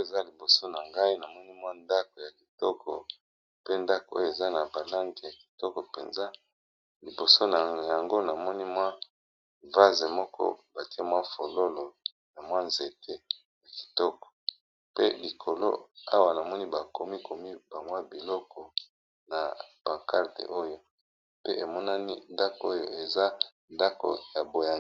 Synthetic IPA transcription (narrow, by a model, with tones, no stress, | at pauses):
e˨za˦li˨bo˨so˦na˨ŋɡa˦i˦na˨mɔ˦ni˦mwa˦nda˦ko˨ja˨ki˨tɔ˦kʰɔ˨ | pe˦nda˦ko˨o̰˦jo˦˨e˨za˦na˨ba˨la˦ŋɡe˨ja˨ki̥˨tɔ˦kɔ˨pe˨nza˦ | li˨bo˨so˦n˨ja˨ŋɡo˦na˨mɔ˦ni˦mwa˦ | va˦ze˨mɔ˦kʰɔ̰˦ba˨ti˦a˦mwa˦fo˨lo˦lo˨ | na˨mwa˦nze˨tʰe˦ | ja˨ki̥˨tɔ˦kɔ̥˨ | pe˦li˨kʰo˨lo̰˦a˦wa˨na˨mɔ˦ni˦ba˨ko˨mi˦ko˨mi˦ba˨ŋwa˦bi˨lɔ˦kʰɔ˨ | na˨b̥ã˨ŋka˦ʁtḛ˨ʔo˦jo˦ | pe˦e˨mɔ˦na˦ni˦nda˦ko˦jo˦˨e˨za˦ | nda˦ko̰˨ja˨bo˨ja˦